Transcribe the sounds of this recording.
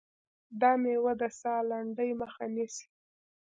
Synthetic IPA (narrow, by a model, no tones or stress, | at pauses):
d̪ɑmewəd̪əsɑlaɳɖəjməxanis